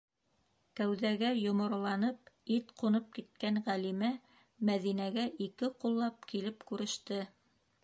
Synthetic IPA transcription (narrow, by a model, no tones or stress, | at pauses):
kæwðæɡæjŏmŏɾ̆lˠɑnɤp̚it̪qunɤp̚kit̪̚kænʁælimæ | mæðinæɡæʔikɘqulˠːɑp̚kilɘpkʉɾɘ̆ʃt̪ɘ